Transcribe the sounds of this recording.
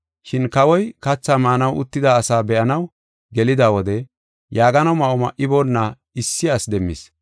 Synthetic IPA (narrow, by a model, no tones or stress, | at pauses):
ʃɪnkɐwɔjkɐt͡sːamaːnɐwʔʊt̪ːɪd̪aːsaːbɛʔɐnɐw | ɡɛlɪd̪aːwɔd̪ɛ | jaːɡɐnɐwmɐʔɔmɐʔɪbonːɐ | ɪsːɪasd̪ɛmːɪ̰s